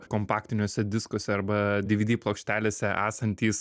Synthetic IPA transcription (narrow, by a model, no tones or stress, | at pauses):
koːmpɑːk̚t̪ʲɪnʲoːsʲɛd̪ʲɪskoːsʲɛɐɾbɐd̪ʲɪʋʲɪd̪ʲiːplˠoːkʃʲt̪ʲæːlʲeːsʲɛʔæ̰ːsɐnʲt̪ʲiːs